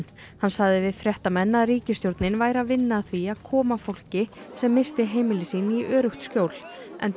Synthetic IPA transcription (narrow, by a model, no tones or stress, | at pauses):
n | hanːsaɣðɪvɪðfɾjɛht̪amɛnːaðriːcɪst̪jowɾt̪nɪnvaːjɾaðvɪnːaθviaðkʰɔːmafowl̥cɪsɛmːɪst̪ɪɦeːjmɪlɪsiːnɪiʔœːɾʏxt̪scoːwl̥ɛ̰n